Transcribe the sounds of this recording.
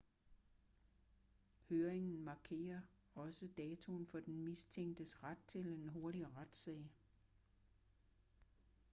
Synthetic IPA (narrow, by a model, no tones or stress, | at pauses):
høːɐʁeŋn̩mɑ̈ːkʰe̝̰ːɐ | ɒ̽səd̥ɛːt͡sʰo̝nfɒ̽d̥enmist͡sʰeŋ̰d̥əsʁad̥̚t͡sʰe̝lenɦo̝ɐɾiʁad̥sɛ̰ːɪ